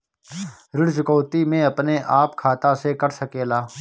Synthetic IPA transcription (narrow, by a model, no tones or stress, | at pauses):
ɾɪɽt͡ʃʊkɔːt̪imẽɐpneʔaːpkʰaːt̪asekəɾsəkeːlaː